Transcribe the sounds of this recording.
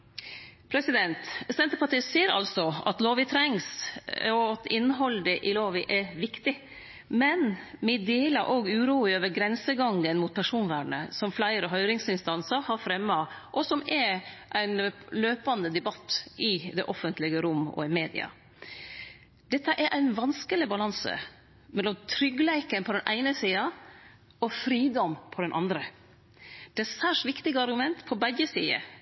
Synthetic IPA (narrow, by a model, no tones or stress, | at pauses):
pʰɾɛsɪd̪ɛnt̪sɛnt̪əpʰɑʈiːsiːɾɑ̰lsɔɑ̰t̪loːʋɪt̪ʰɾɛŋsɔɑt̪ɪnːəɦɔlːd̪ɛʔɪloːʋɪʔɛʋɪkt̪ɪ | mɛnmɪd̪eːlɑʔoːɡʉːɾuːɪøːʋəɾɡɾɛnsəɡɑŋɡənmuːt̪̚pʰæʂuːnʋæːɳə̰sɔmflæɪɾəɦœʏɾɪŋsɪnst̪ɑnsəɾhɑɾfɾɛmːɑʔɔsɔmɛɾʔæɪnløːpɑnd̪əd̪ɛbɑt̪ːʔɪd̪ɛʔɔfənt̪lɪɡəɾʊmːɔ̰ɪmeːd̪ɪ̰ɑ̰ | d̪̥ɛt̪ːəʔæɾʔæɪnʋɑnskəlɪbɑlɑnsə̰ | mɛlːɔmt̪ʰɾʏɡlæɪkənpʰɔd̪ɛnʔæ̰ɪnəsiːɑ | ɔfɾiːd̪ɔmpʰɔd̪ɛnʔɑ̰nd̪ɾə | d̪̥ɛæsæːʂʋɪkt̪ɪɡəɑɾɡʉmɛnt̪pʰɔbæjəsiːə̰